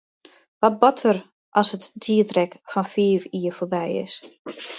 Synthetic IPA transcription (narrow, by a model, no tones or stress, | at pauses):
ʋɔt̚bɔtʰər | ʔɔsətdiːətrɛkfɔnfiːviːəfobɛjɪ̰s